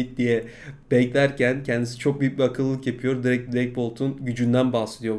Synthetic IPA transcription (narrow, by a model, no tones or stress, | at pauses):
it̚d̪ijɛ | bɛclʲæɾcʰæncʰɛnd̪isi̥t͡ʃʰo̞k̚bibiakʰɯlˠːɯkjapʰijo̞ɾd̪iɾɛc̚d̪iɾɛc̚bo̞lˠt̪ʰunɟyd͡ʒynd̪ænbasˠɯjo̞